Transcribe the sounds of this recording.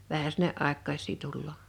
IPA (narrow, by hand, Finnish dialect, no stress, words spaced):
ʋæhæ sinːe ʔɑˑe̝kːɑisˑiː tulːoː